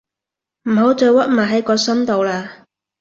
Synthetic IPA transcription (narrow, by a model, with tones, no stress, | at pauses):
m̩˨˩ɦo˨˥wt͡sɵ˨˧wɐ˥t̚maː˨˩ɦɐ˨˥jkɔː˧sɐ˥mt̪o˨˧wlaː˧